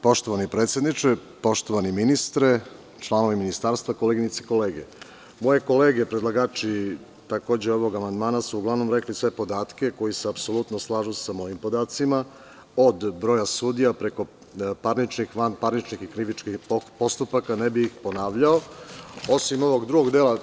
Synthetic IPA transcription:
po̞ʃt̪o̞ʋanipɾet̪sjed̪nit͡ʂe | po̞ʃt̪o̞ʋaniminist̪ɾe | t͡ʃlˠaːno̞ʋiminist̪aːɾst̪vʋako̞leɡiɲit̪siko̞le̞ːɡe | mo̞je̞ko̞le̞ːɡe̞pɾed̪lˠaɡaːt͡ʃi | t̪ako̞ːd͡ʑeo̞ʋo̞ɡamand̪maːnasuːɡlˠaʋno̞mɾe̞klisʋe̞po̞d̪aːt̪ke̞ko̞jiseapso̞lˠut̪noslˠaːʒusamo̞jimpo̞d̪aːt̪sima | od̪bɾo̞ːjasud̪ijapɾe̞ko̞ | paɾnit͡ʃnixʋanpaɾnit͡ʃnixikɾiʋit͡ʃkixopo̞st̪upakanebiːxpo̞naːʋʎaoo̞simo̞ʋo̞ɡd̪ɾuɡo̞ɡd̪eːla

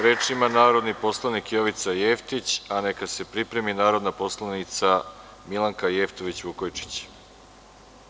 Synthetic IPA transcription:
ɾeːt͡ʃimanaːɾo̞d̪nipo̞slˠanikjo̞ʋit̪saje̞ft̪it͡ɕane̞kase̞pɾipɾe̞minaːɾo̞d̪napo̞slˠanit̪sa | milˠaŋkaje̞ft̪oʋit͡ɕʋukojt͡ʂi̥t͡ɕ

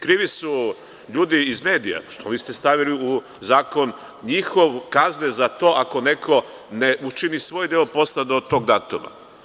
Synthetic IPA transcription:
kɾiːʋisu | ʎuːd̪iːzme̞ːd̪ija̰ʃt̪oʋiːst̪e̞st̪aʋiliu | zaːko̞n | ɲixo̞ʋkaznezat̪o̞ːʔako̞ne̞kʰo̞ | neʔut͡ʃinisʋo̞ːjd̪eopo̞st̪ad̪ot̪o̞ːɡd̪aːt̪oma̰

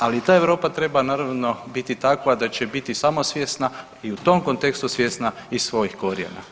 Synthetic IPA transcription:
alit̪aːeʋɾo̞ːpat̪ɾe̞banaːɾaʋno̞bit̪it̪akʋad̪at͡ɕe̞bit̪isamo̞sʋjeːsna | iut̪o̞mko̞nt̪e̞kst̪usʋje̞snaissʋo̞jixko̞ɾjḛna̰

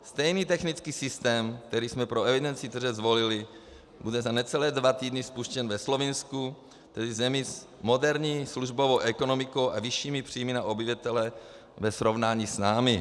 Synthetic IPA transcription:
st̪ɛjniːt̪ɛxnit͡skiːsɪst̪ɛːmk̚t̪ɛɾiːsmɛpɾoɛvɪdɛnt͡sɪt̪r̩ʒɛzvo̞lɪlɪ | budɛzanɛt͡sɛlɛːdvat̪iːdnɪspuʃcɛnvɛslo̞vɪnsku | t̪ɛdɪzɛmɪs | mo̞dɛɾɲiːsluʒbovowʔɛko̞no̞mɪkowʔavɪʃiːmipr̝̥ijmɪnaʔobivat̪ɛlɛ | vɛsɾo̞vnaːɲiːsnaːmɪ

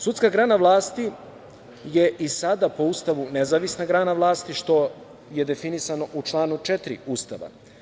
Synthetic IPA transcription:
sut̪skaɡɾaːnaʋlˠaːst̪i | je̞ʔisad̪apoust̪aʋunezaːʋisnaɡɾaːnaʋlˠaːst̪iʃt̪o̞ | je̞d̪e̞finisano̞ʔut͡ʃlˠaːnut͡ʃe̞t̪ɾḭust̪a̰ʋa̰

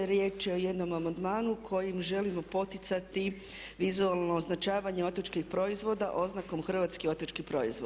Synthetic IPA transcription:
ɾje̞ːt͡ʃjeo̞je̞d̪no̞mamand̪maːnukʰo̞jimʒe̞limo̞po̞t̪it̪sat̪i | ʋizualˠno̞ːznat͡ʃaːʋaɲeo̞t̪ot͡ʃkixpɾo̞izʋo̞d̪aʔo̞znako̞mxr̩ʋaːt̪skio̞t̪ot͡ʃkipɾo̞̰ḭzʋo

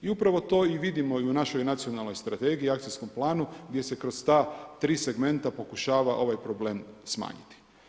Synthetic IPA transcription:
iupɾaʋo̞t̪o̞ːiʋid̪imo̞iunaʃo̞jnat̪sio̞nalˠno̞jst̪ɾat̪e̞ɡiiakt̪isko̞mplˠaːnuɡd̪je̞se̞kɾo̞st̪aːt̪ɾiːse̞ɡme̞nt̪apo̞kuʃaːʋaʔo̞ʋajpɾo̞ble̞ːmsma̰ːɲit̪i̥

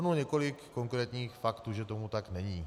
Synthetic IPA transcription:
nulɲɛko̞lɪkːo̞ŋkɾɛːt̪ɲiːxfakt̪uːʒɛt̪o̞mut̪aknɛɲiː

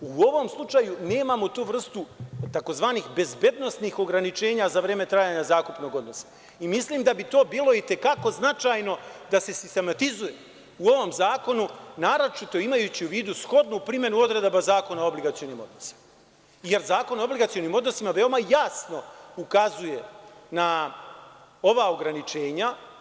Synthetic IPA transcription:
uo̞ʋo̞mslˠut͡ʂajune̞ːmamot̪uːʋr̩st̪ut̪ako̞zʋaːnixbe̞zbe̞d̪no̞sniːxo̞ɡɾanit͡ʃe̞ːɲazaʋɾe̞ːme̞t̪ɾaːjaːɲazaːkupno̞ːɡo̞d̪no̞sḁ | imisliːmd̪abit̪o̞ːbiːlˠo̞it̪e̞kako̞znat͡ʃaːjno̞d̪ase̞sist̪e̞mat̪izuje | uo̞ʋo̞mzaːko̞nunaɾot͡ʃit̪o̞imajuːt͡ɕiuʋiːd̪usxo̞d̪nupɾimje̞nuo̞d̪ɾe̞d̪abazaːko̞naobliɡat̪sioniːmo̞d̪nosi̥ma | je̞ɾzaːko̞noobliɡat̪sio̞niːmo̞d̪no̞simaʋe̞o̞majasno̞ukazuje̞na | o̞ʋaːo̞ɡɾanit͡ʃe̞ːɲa

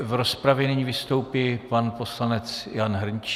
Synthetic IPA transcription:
vɾospɾavjɛnɪɲivɪst̪o̞wpiːpanpo̞slanɛt͡sjanɦr̩ɲt͡ʃ

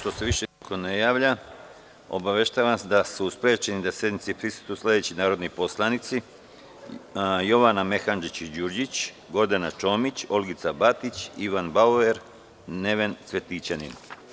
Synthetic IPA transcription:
ʃt̪o̞se̞ʋiʃeikʰo̞nejaːʋʎa | o̞̰baʋe̞ʃt̪aʋasd̪asuuspeet͡ɕenid̪asje̞d̪nit̪sipɾisu̥t̪uslʲˠe̞d̪et͡ɕinaːɾo̞d̪nipo̞slˠanit̪si | jo̞ʋaname̞xand͡ʒit͡ɕd͡ʑuɾd͡ʑit͡ɕ | ɡo̞ɾd̪anat͡ʃo̞mit͡ɕo̞lɡit̪sabat̪it͡ɕiʋanbaueɾ | ne̞ʋe̞nt̪sʋe̞t̪it͡ɕanḭn

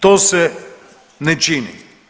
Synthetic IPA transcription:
t̪ɔsɛ | nɛt͡ʃinḭ

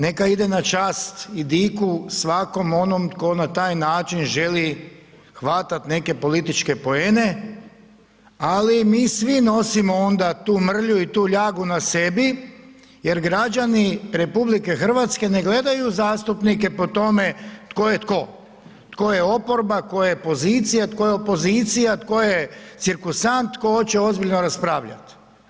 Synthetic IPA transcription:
ne̞kaid̪e̞nat͡ʃaːst̪id̪ikusʋako̞mo̞nomt̪ko̞nat̪aːjnaːt͡ʃinʒe̞li | xʋat̪at̪ne̞ke̞po̞lit̪it͡ʃke̞po̞ene̞ | alimiːsʋino̞simoond̪at̪uːmr̩ʎuit̪uːʎaːɡunase̞bi | je̞ɾɡɾad͡ʒaniɾe̞publike̞xr̩ʋat̪ske̞ne̞ɡle̞d̪ajuzaːst̪upnike̞po̞t̪o̞me̞t̪ko̞jet̪ko̞ | t̪ko̞je̞o̞po̞ɾbako̞jepo̞ziːt̪sijat̪ko̞jeopo̞ziːt̪sijat̪ko̞jet̪siɾkusant̪ːko̞t͡ɕe̞o̞zbiʎnoɾaspɾaːʋʎa̰t̪

